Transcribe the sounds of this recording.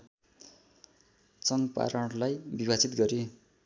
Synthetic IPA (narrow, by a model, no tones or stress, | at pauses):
t͡sʌŋɡpa̰ɾʌɽlajbibat͡sit̪ɡʌɾi